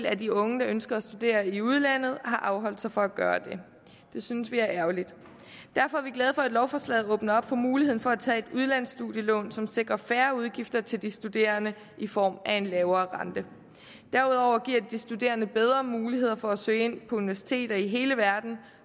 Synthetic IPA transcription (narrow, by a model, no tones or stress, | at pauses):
læd̥iɔ̽ŋəd̥ɑ̈ønsɡ̥ɐæsd̥ud̥e̝̰ːɐiuð̞ˠlæn̰ð̞̩ˠhɑ̈ʔɑ̈ʊɦɒ̽l̰d̥sɑ̈ɪfɒ̽æɡ̥ɶːɐd̥e̝ | d̥e̝synsʋiæɐʔæɐlid̥ | d̥æɐ̰fɒ̽æɐʋiɡ̥lɛð̞ˠfɒ̽æd̥lɒʊfɒslɛ̰ːðˠɔ̽ːb̥nɐɒ̽b̥fɒ̽muːliheð̰ˠn̩fɒæt͡sʰɛ̰ːe̝d̥uð̞ˠlæn̰sːd̥uðjəlɔ̰̽ːnsɒ̽mse̝ɡ̥ʁɐfæːɐuð̞ˠɡ̥ifd̥ɐt͡sʰe̝ld̥isd̥ud̥e̝̰ːɐnə | ʔifɒ̰ːmʔæe̝nlɛːʊɐːʁɑ̈nd̥ə | d̥æɐuð̞ˠɒʊɐɡ̥iɐ̰d̥isd̥ud̥e̝̰ːɐnəb̥eð̞ˠʁɐmuːlihe̝ð̞̰ˠɐfɒæsø̰ːe̝n̰pʰɒ̽uniʋæɐsi̥t͡sʰe̝̰ːd̥ɐiɦe̝ːləʋæɐd̥n̩